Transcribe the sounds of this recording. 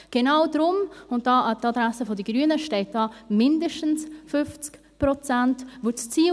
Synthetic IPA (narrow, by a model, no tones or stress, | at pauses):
ɡ̥enaʊdɾʊmʊnt̚d̥ɑːʔɑtadɾasəfodəɡɾyənəʃtɛɪt̚d̥ɑːmɪndəʃtn̩sfʏft͡sk | pɾɔt͡santʋot͡st͡siː